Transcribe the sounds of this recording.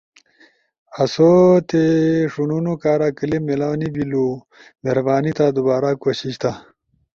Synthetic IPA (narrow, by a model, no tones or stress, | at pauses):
ɐsot̪eʂununukaːɾakəlemelaːnibilu | meɾbaːnit̪ad̪ubaːɾakoːɕiɕt̪ʰa